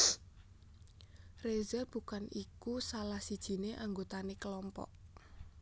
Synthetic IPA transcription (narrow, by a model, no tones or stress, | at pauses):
rezərb̥ṳkanikusalahsid̥ʒ̥i̤neʔaŋɡot̪anekəlɔmpɔ̰ʔ